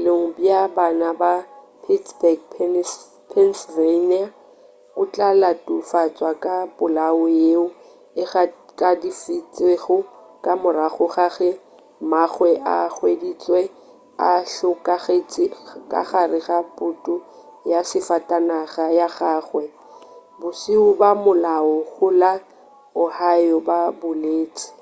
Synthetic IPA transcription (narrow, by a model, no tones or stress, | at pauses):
leŋ̩bjabanaba | pʰitsbɛɡpʰ | pʰɛnsvenia | ʊt͡ɬʼalatʼʊfat͡sʼwakʼapʊlaʊjeʊ | ɪχakʼadifit͡sʼeɣʊ | kʼamʊɾaχʊχaɣɪ | maχwɛʔaχwedit͡sʼwɛ | aɬʊkʼaɣet͡sʼɪkʼa̰χarɪɣapʼʊtʼʊ | jasɪfatʼanaɣajaɣaːχwɛ | bʊsiʊbamʊlaʊɣʊla | ʊhajɔbabʊleːt͡sʼɪ̥